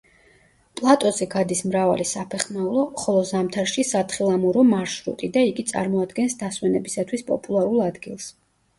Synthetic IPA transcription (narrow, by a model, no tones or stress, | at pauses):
pʼlˠat̪ʼɔzɛɡad̪ismɾava̰lisapʰɛχnaulˠɔχɔlˠɔzamt̪ʰaɾʃisat̪ʰχilˠamuɾɔmaɾʃɾṵt̪ʼid̪aiɡit̪sʼa̰ɾmɔad̪ɡɛnsd̪aswɛnɛbisat̪ʰwispʼɔ̰pʼulˠaɾulˠad̪ɡilˠs